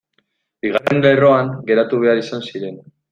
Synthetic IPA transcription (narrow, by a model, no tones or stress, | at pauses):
biɣ̞are̞nle̞ro̞aŋɡe̞ɾat̪uβe̞aɾisansiɾe̞n